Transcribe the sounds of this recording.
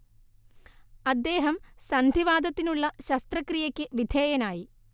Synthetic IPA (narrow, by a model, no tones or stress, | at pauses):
ɐd̪ːe̞ːɦɐmsɐnd̪ʱiʋaːd̪ɐt̪ːinuɭːɐɕɐst̪rɐkrijɐkʲːɨʋid̪ʱeːjɐnaːji